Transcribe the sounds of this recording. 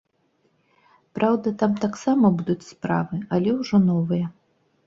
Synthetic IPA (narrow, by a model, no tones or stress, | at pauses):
pɾʔawd̪ɐt̪amt̪aksamɐbud̪ut͡sʲspɾa̰vɨɐlʲɛwʐɔnɔvɨjɐ